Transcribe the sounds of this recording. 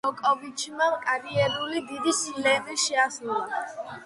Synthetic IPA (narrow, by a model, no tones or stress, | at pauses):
ɔkʼɔvit͡ʃʰimakʼaɾiɛɾulid̪id̪isilɛːvɛʃɛaslulˠa